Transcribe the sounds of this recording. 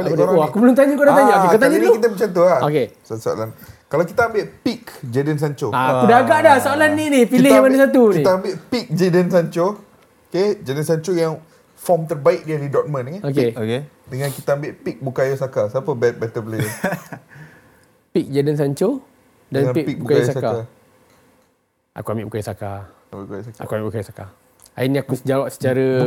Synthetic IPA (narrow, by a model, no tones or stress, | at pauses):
aledaɾakubəlʊmt̪aɲakuadat̪aɲaakekat̪aɲaikit̪̬amət͡ʃant̪uaokessoa̰lankalawkit̪aːmbɪʔpikd͡ʒadəns̬aɲt͡ʃoaakudaaɡaʔdahsoalanːinipilɪamadasat̪unĩt̪aambɪʔpik̚d͡ʒadənsaɲt͡ʃo | oked͡ʒidənsaɲt͡ʃojaŋ | fɔmt̪ərbaɪk̚diadidɔk̚mə̃nkaokeke | dəŋãnkit̪aambɪʔpik̚bukajosakasapəbɛt̪̚bɛt̪əple | pik̚d͡ʒadəns̬aɲt͡ʃo | danpik̚pik̚ubukajosasakaa | ʔa̰kuambɪʔbukajosaka | mbɪkjsaa̰kuambiʔbukajosaka | a̰iniakusəd͡ʒawaʔsə̥t͡ʃaɾə